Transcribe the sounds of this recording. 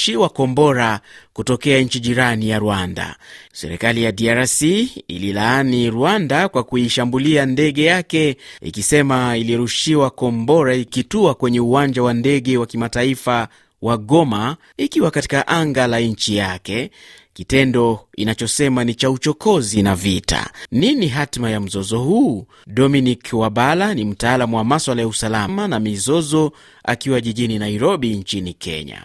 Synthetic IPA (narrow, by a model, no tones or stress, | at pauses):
ʃiwakɔmbɔɾakutɔkɛaɲ̩t͡ʃiʄiɾanijaɾuanda̰sɛ̰ɾɛ̰kalijadiaɾasiḭlilaaniɾuandakwakuiʃambuliandɛɠɛjakɛḭkisɛmailiɾuʃiwakɔmbɔɾaikituakwɛɲɛuwaɲd͡ʒawandɛɠɛwakimataifa | waɡɔma | ikiwakati̥kaʔaŋɡalaɲt͡ʃijakɛkitɛndɔinat͡ʃɔsɛmanit͡ʃaut͡ʃɔkɔzinavitʰa̰niniɦatmajam̩zɔzɔhuː | ɗɔminikwaɓalanim̩taːlamuwamaswalajausalamanamizɔzɔ | a̰kiwaʄiʄininaiɾɔɓint͡ʃinikʰɛ̰ɲa̰